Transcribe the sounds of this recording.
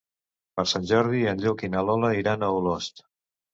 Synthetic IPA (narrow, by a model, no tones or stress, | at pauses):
pəɾsanʲʒɔɾð̞iənʎɔkinalɔləiɾanəulost̪